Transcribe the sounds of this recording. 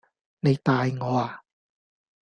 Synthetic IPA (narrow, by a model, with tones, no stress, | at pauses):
ne˨˧jt̪aː˧jŋɔː˨˧aː˨